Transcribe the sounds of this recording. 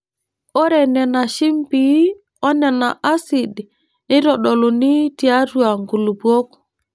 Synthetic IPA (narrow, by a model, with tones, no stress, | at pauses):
ɔ˦ɾɛ˨nɛ˨na˨ʃi˦mpi˨˦ | ɔ˦nɛ˨na˨ʔa˦si˨di˨ | nɪ˦ɾɔ˨ɗɔ˨lo˨ni˦ti˨a˦tu˦a˨ŋɡu˨lu˨bwo˦k